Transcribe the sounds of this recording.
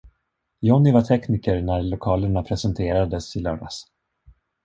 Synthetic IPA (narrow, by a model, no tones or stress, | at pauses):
jɔnɪvaʈʰɛkniːkəɾnæɾlʊkʰɑːləɳapʰɾɛsɛnt̪ʰeːɾad̪əsɪlœːɖa̰s